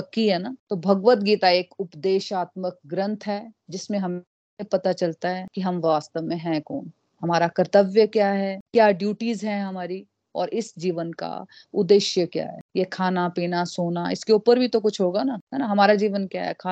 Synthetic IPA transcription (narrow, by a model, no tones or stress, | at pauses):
ɐkːiɦɛːnaːt̪obʱɐɡʋət̪ɡiːt̪aeːkʊpd̪eːʃaːt̪̚mək̚ɡɾə̃nt̪ʰɦɛd͡ʒɪsmẽɦɐm | epɐt̪at͡ʃɐlt̪aɦɛkiɦɐmʋaːst̪əʋmẽɦɛ̃ko̰ːn | ɦɐmaːɾakɐɾt̪əʋjəkjaːɦɛkjaːɖjuːʈizɦɛ̃ɦɐmaːɾi | ɔ̰ːɾʔɪsd͡ʒiːʋənka̰ | ʊd̪eʃjəkja̰ːɦɛ̰jekʰaːnapiːnasoːnaɪ̰skeuːpəɾbʱit̪ok̬ʊt͡ʃʰɦoːɡanaɦɛnaɦɐmaːɾad͡ʒiːʋənkja̰ːɦɛ̰kʰa